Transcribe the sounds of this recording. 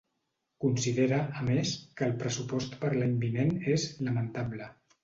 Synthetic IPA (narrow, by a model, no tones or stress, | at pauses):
kunsiðeɾəəmeskəːlˠpɾəsupɔst̪pəɾlaɲbinenezləmənt̪ablə